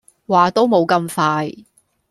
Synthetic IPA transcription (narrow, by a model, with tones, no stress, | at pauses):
waː˨t̪o˥wmo˨˧wkɐ˧mfaː˧j